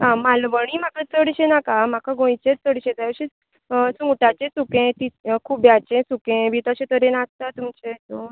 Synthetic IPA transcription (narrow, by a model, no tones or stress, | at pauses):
ɦãmalʋəɽ̃im̤akət͡səɽɕenakam̤akaɡõjt͡ɕẽt͡səɽɕẽd͡z̪ajəɕi | suʈat͡ɕẽsukẽt̪ikʰuːbjat͡ɕẽsukẽbit̪aɕẽt̪əɾenast̪at̪umt͡ɕet̪o